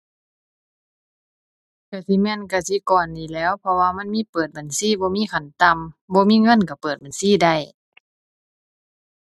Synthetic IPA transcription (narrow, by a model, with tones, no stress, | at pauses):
ka˧˩si˧˦mɛ˧˥˨nka˧˩si˧˦kɔː˨˩ndiː˨˩lɛː˧˥˨wpʰɔ˧waː˧ma˧˥˨nmiː˧˥˨pɤː˨˩t̪̚ba˨˩˨nsiː˧˩˨bɔː˧˦miː˧˥˨kʰa˧˩˨nt̪a˧˨mbɔː˧˦miː˧˥˨ŋɤ˧˥˨nka˧˩pɤː˨˩t̪̚ba˨nsiː˧˥˨da˧˩˨j